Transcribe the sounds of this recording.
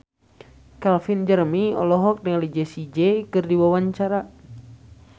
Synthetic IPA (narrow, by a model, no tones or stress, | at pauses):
kalfind͡ʒərmiɔ̰lɔɦɔk̚dəŋlid͡ʒɛsid͡ʒɛkɨrdiwawaɲt͡ʃaɾa